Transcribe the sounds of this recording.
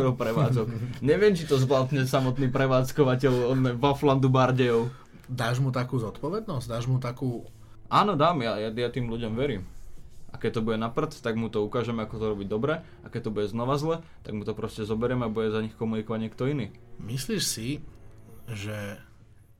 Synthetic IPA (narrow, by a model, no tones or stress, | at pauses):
ɛɾɔpɾɛʋaːd͡zɔkɲɛʋɪɛmt͡ʃit̪ɔzʋlat̪ɲɛsamɔt̪niːpɾɛʋaːt͡skɔʋacɛʎɔnɛʋɔfland̪ubaɾɟɛjɔʊ | d̪aːʒmut̪akuːzɔt̪pɔʋɛd̪nɔzd̪aːʒmut̪akuː | ʔaːnɔd̪aːmjajajat̪iːmluɟɔmʋɛɾiːmʔa̰kɛc̚t̪ɔbuɟɛnapr̩t̪t̪aɡmut̪ɔukaːʒɛmɛakɔt̪ɔɾɔbiɟd̪ɔbɾɛ | akɛc̚t̪ɔbuɟɛznɔʋazlɛt̪a̰ɡmut̪ɔpɾɔscɛzɔbɛɾɪɛmɛabuɟɛzaɲixkɔmunikɔʋaɟɲɛk̚t̪ɔiniː | misliːʃsi | ʒɛ